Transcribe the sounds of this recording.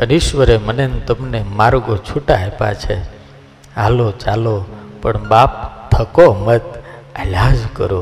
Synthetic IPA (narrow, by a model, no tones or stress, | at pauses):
əniʃʋəɾemənent̪əmnemaɾɡot͡ʃʰuʈaɦepa̰t͡ʃʰe | alot͡ʃalopəɳbap̚t̪ʰəkomət̪əlad͡ʒkə̰ɾo